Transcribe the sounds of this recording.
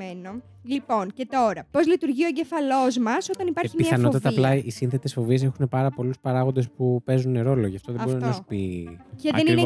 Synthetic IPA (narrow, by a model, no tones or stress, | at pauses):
eno̞ | lipo̞nce̞t̪o̞ɾɐpo̞zlit̪uɾʝio̞eɲɟefɐlo̞zmɐsot̪ɐnipɐɾçimiθɐɐnot̪ɐt̪ɐplɐʔisinθe̞t̪e̞sfo̞vie̞s̬e̞xune̞pɐɾɐpo̞luspɐɾɐɣo̞nd̪e̞spupe̞zunːe̞ɾo̞lo̞ʝɐft̪oðebbɾinɐsu̥piceðenine